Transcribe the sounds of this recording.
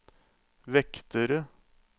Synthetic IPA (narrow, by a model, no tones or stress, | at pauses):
ʋɛkt̪əɾə